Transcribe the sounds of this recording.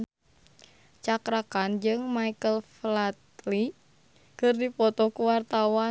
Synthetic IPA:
t͡ʃakɾakand͡ʒɨŋmaikəlflat̪li | kɨrdipɔt̪ɔkuwart̪awa

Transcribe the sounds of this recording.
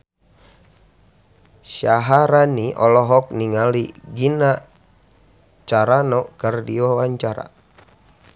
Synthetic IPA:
ʃaɦaɾaniʔɔlɔɦɔk̚niŋaliɡina | t͡ʃaɾanɔkərdiwawaɲt͡ʃaɾa̰

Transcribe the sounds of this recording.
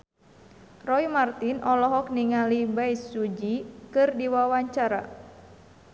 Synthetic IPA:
rɔimart̪inʔɔlɔɦɔk̚niŋalibaisud͡ʒikɨrdiwawaɲt͡ʃaɾa̰

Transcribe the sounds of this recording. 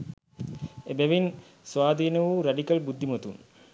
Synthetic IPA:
ebeʋin | sʋaːd̪iːnəʋuɾɐɖikɐlbud̪ːimot̪un

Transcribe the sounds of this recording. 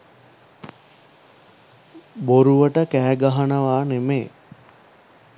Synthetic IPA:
boɾuʋəʈəkæːɡaɦanəʋaːnemeː

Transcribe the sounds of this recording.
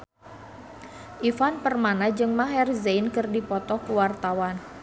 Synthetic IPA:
ʔifanpərmanad͡ʒɨŋmaɦɛrzejnkɨrdipɔt̪ɔhkuwart̪awan

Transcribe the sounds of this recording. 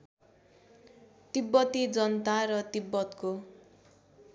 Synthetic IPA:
t̪ibːʌt̪id͡zʌnʌt̪aɾʌt̪ibːʌt̪ko

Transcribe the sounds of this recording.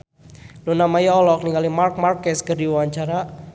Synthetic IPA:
lonamajɔlɔk̚niŋalimark̚markɛskərdiwaɲt͡ʃaɾa

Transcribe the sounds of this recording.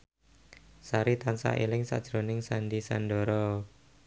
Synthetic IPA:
saɾit̪ansa̰ʔelɪŋsa̰ʔd̥ʒ̥ɾonɪŋsandisanɖɔɾɔ

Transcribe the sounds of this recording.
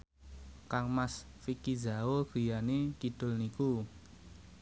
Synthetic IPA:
kaŋmasfikizaoɡ̥i̤janekid̪̥ʊ̤lniku

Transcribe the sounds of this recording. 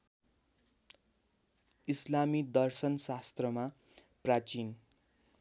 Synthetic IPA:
islamid̪ʌrsʌnsast̪rʌma | prat͡sin

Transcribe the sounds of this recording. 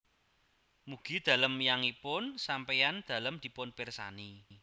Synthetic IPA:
muɡ̥i̤d̪̥ä̤ləmjaŋipʊnsampejand̪̥ä̤ləmd̪̥i̤pʊnpirsa̰ni

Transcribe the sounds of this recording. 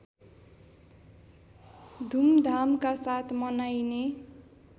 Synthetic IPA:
d̪ʱumd̪ʱamkasat̪ʰmʌnajne

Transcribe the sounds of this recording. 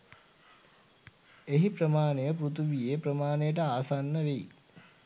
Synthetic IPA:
eɦipɾəmaːnejəprut̪ʰuʋijeːpɾəmaːnejəʈ̬əaːsanːəʋe

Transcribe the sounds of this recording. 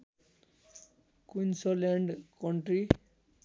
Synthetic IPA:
kunsʌlaɳɖkʌɳʈri

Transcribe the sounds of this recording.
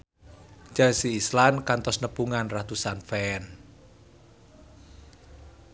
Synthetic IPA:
d͡ʒasiːslankant̪ɔsnəpuŋanrat̪usanfɛn

